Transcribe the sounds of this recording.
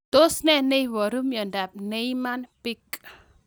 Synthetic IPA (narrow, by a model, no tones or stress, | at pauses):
t̪osnɛnejwɔɾumjəndap̚nejmanpik